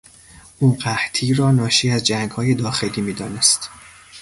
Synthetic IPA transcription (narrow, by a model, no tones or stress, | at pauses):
ʔuːɢæht̪ʰiːrɒːnɒːʃiːæzd͡ʒæŋɡhɒːje̞d̪ɒːxeliːmiːd̪ɒːnest̪